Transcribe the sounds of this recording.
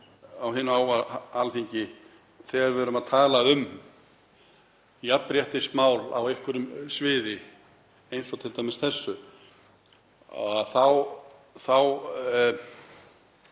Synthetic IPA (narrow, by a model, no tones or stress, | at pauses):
awɦɪnːʏawaalθiɲcɪ | θɛːɣaɾvɛɾʏmaðt̪ʰaːlaʏm | iapɾjɛht̪ɪsmaːwla̰wejhkʰvʏɾʏmsvɪːðɪ | ejnsɔt̪ʰɪlt̪ajmɪsθɛsːʏ | aðθaw | θaw